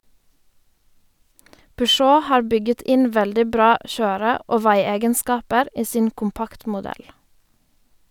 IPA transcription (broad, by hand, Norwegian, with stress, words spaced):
pʏˈʃoː ˈhɑːɾ ˈbʏɡət ˈɪn ˈʋɛldɪ ˈbɾɑː ˈçøːɾə ˈoː ˈʋæɪˌeːɡənˌskɑːpəɾ ˈiː ˈsiːn ˈkʊmˌpɑktmʊˌdɛl